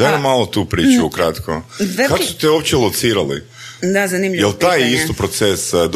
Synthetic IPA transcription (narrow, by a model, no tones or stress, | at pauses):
d̥̪amalˠot̪upɾiːt͡ʃuukɾat̪kʰokakosu̥t̪eopt͡ɕelˠot̪siɾalḭ | d̪azanimʎijelt̪ajisst̪opɾot̪sesd̪